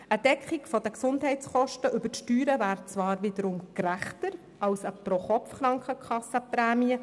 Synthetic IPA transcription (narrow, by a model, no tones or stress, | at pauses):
əd̥ɛkχikfɔd̪əksʊndɦɛɪtt͡sχɔʃtəʔʏbətʃtyːɾəvæːɾt͡sʋɑːɾʋɪd̪əɾʊmkɾæχt̪əɾ | ɑwsəpɾɔχɔpfχɾɑŋkχəkχɑsːəpɾæːmiə